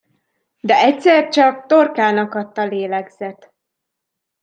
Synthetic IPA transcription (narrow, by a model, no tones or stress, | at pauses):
d̪ɛɛcsɛrt͡ʃɒk̚t̪o̞rkaːnɒkɒt̪ːɒleːlɛɡz̥ɛt̪